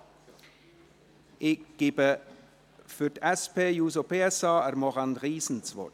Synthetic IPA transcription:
ʔɪːɡɡ̥ɪːbə | fʉʈɛspeːjuːsopʰeːɛsɑːæːɾmɔʁɑnʁiːsn̩sʋɔ̰ʈ

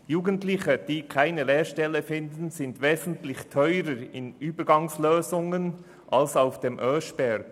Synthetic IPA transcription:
juːɡəntlɪçəd̥iːkʰaɪnəleːʃtɛləfɪndn̩z̥ɪntvɛːzn̩tlɪçtʰœʏɾəɾɪnyːbəɾɡɑŋsløːzʊŋən | ʔalsaʊfd̥emʔœːʃb̥ɛɾɡ̥

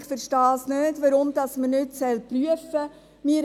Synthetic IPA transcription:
χfəɾʃtɑːsnøːdʋɔɾʊmd̥̪ɑsmənʏtsɛlpɾyəfə | miəɾ

